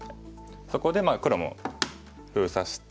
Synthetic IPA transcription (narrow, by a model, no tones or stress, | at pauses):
so̞ko̞d̪e̞maːkɯ̟ɾomo̰ | ɸɯ̟ːsaɕi̥t̪